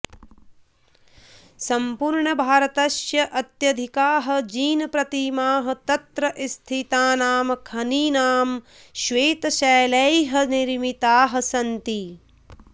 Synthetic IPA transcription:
sɐmpuɾɳɐbʱaːɾɐt̪ɐʃjɐʔɐt̪jɐd̪ʱikaːɦɐ̆d͡ʒiːnɐpɾɐt̪imaːɦɐ̆t̪ɐt̪ɾɐʔist̪ʰit̪aːnaːmɐkʰɐniːnaːm | ʃʋeːt̪ɐʃɐːlɐjɦɐniɾmit̪aːɦɐ̆sɐnt̪i

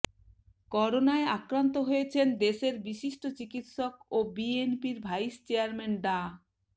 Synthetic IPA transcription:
kɔɾonaeakɾant̪oɦojet͡ɕʰend̪eʃeɾbiʃiʃʈot͡ɕikit̪ʃok̚obienpiɾbʱajst͡ɕeaɾmenɖa

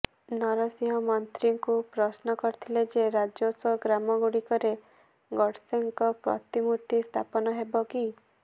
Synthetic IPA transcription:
nɔɾɔsiɦɔmɔnt̪ɾiŋkupɾɔsnɔkɔɾit̪ʰiled͡ʒeɾad͡ʒosɔɡɾamɔɡuɽikɔɾe | ɡɔɽseŋkɔpɾɔ̰t̪imuɾt̪ist̪ʰapɔnɔɦebɔki

